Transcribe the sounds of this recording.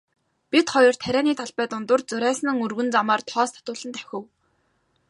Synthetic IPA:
pʲit̪χɔjɞ̆r̥t̪ʰæɾʲæːniːt̪ʰaɮpæːt̪ʊnt̪ʊrt͡sɵɾæːsɘ̆nɘ̆ŋɵrɣɵ̆nt͡samaːrt̪ʰɔːst̪ʰḁt̪ʊːɮə̆nt̪ʰæ̥xʲɪ̆w

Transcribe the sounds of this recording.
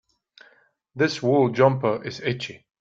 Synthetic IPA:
ðɪswɜlˠd͡ʒʌ̃mpə˞ʔɪzɪt͡ʃi

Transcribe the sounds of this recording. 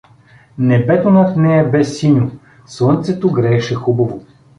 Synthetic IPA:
nɛbɛt̪onɐt̪nɛjɐbɛsːinʲo | slˠɤnt̪sɛt̪oɡɾɛːʃɛxubɐvo

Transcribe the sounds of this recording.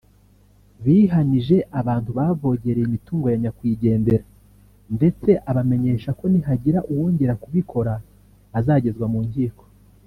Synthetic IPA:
βiɦaniʒe̞ʔaβaːntuβavo̞ɟe̞ɾeimituːŋɡo̞jaɲakwiːɟe̞ːnde̞ɾa | nde̞t͡se̞ʔaβame̞ɲe̞ːʃako̞nihaɟiɾaʔuwoːɲɟeɾakuβikʰo̞ɾaː | zaːɟe̞zɡwamuːɲɟiːko̥

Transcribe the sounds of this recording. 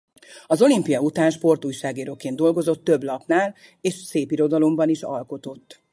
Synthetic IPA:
ɒzo̞limpijɒut̪aːnʃpo̞rt̪uːjʃaːɡeːɾokeːnd̪o̞lɡo̞zo̞t̪ːø̞blɒpnaːl | eːʃseːpiɾo̞d̪ɒlo̞mbɒniʃɒ̰lko̞t̪o̞t̪ː

